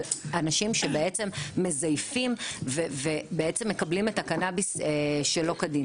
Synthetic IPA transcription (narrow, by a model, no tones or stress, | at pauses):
lanaʃimʃe̞beet͡se̞mːe̞zajfimvevebeet͡se̞mːe̞kɐblimetakanabiseʃelo̞kadi